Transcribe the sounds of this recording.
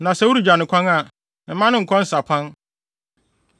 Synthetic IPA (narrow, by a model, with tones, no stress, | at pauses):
nã˨sɛ˦wu˦ɾu˦d͡ʑᶣa˨nɪ̃˨kʰʷã˦ŋa˨ | m̩˨mã˦nɪ̃˦ŋ̩˨kʰɔ̃˦n̩˦sa˨pʰã˦n